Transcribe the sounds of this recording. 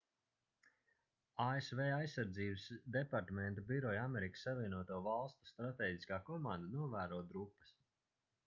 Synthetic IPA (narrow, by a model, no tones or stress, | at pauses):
aːesvɛːajsːaɾd̪ziːbəsd̪ɛpaɾt̪amɛnt̪ubiɾɔjamɛɾikə̥sːavʲiɛnuɔt̪uɔvalˠst̪u̥st̪ɾat̪ɛːɟʲiskaːkɔmãnd̪anuɔvæːɾuːd̪ɾupːə̥s